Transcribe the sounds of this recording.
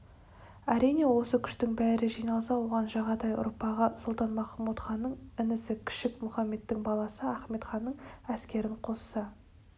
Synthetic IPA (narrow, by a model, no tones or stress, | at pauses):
æɾijne̞wo̞səkʲʰʏ̥ʃt̪ɪŋbæɾɪʒijnɑlˠsɑwo̞ʁɑnʒɑʁɑd̪ɑjʊ̰ɾpɑʁəsʊlˠt̪ɑnmɑχɑmut̪χɑnːəɴɪnɪsɪkʲʰɪ̥ʃɪkmʊχɑmːe̞t̪ːɪŋbɑlˠɑsəæχme̞t̪χɑnːəɴæskʲe̞ɾɪɴqʰo̞sə̥sɑ